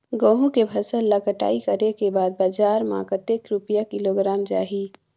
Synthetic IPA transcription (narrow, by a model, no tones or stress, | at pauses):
ɡoːɦũkebʱɐsəlːɐkəʈa̰ːikɐɾekebaːd̪̚baːd͡ʒaːɾma̰ːkət̪ekɾʊpijakɪloɡɾaːmd͡ʒa̰ːɦiː